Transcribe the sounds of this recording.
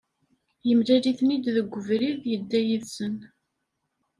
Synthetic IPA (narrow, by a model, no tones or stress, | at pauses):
jəmd̪æliθnid̪ðəɡʷːəvɾiðjəd̪ːæjiðsən